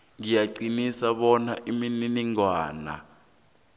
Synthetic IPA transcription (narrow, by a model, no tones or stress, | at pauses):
ŋijaɡ͡ǀinisaɓɔnaʔimininiŋwaːna̰